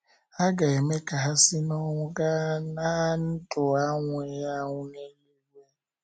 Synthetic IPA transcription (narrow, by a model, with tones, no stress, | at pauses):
a˦ɡa˨e˨me˦ka˨ɦa˦sɪ˦nɔ˦ŋʷʊ˦ɡa˦na˦n̩˦tʊ˨a˦ŋʷ˨e˨ja˦ŋʷʊ˦ne˦mi˦me˦